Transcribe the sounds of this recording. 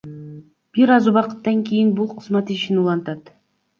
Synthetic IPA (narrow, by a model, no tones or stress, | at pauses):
b̥iɾɑzuβɑqɯ̥t̪ːɑŋkʲijinbulˠqʰɯzmɑt̪iʃinulˠɑnt̪ɑt̪